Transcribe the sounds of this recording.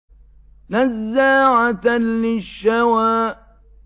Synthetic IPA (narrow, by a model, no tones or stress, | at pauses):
nazːaʕat̪anlɪʃːawaːʔ